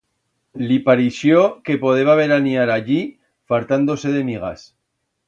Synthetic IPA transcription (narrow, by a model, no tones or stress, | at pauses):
lipaɾiʃjoke̞po̞ðe̞βaβe̞ɾaniaɾaʎi | falt̪and̪o̞se̞ðe̞miɣ̞a̰s